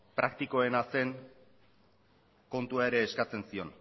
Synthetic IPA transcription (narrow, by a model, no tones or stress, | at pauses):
pɾʔakt̪iko̞e̞nase̞ŋ | ko̞nt̪uaeɾe̞ːskat͡se̞nsio̞̰n